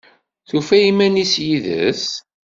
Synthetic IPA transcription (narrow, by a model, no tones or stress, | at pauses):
θufæjimænisjiðə̰s